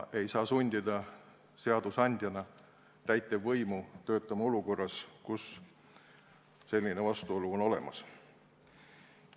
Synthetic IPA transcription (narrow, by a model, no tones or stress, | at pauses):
ʔe̞jsɑːsunʲd̪ʲid̪̥ɑ | se̞ɑd̪̥usɑnʲd̪̥ʲjɑnɑ | t̪æjt̪ːˑevːɤjmut̪ø̞ːt̪ːˑɑmɑo̞luko̞rːɑskus | se̞lʲːine̞vɑst̪uo̞luono̞le̞̰mɑ̰s